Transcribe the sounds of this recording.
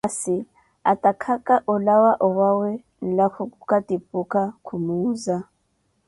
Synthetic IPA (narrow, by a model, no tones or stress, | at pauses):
asi | atʼakʰakʼaʔʊlawaʔɔwawɛ | n̩lakʰʊkʼukʼatʼipʼukʼakʰumuːza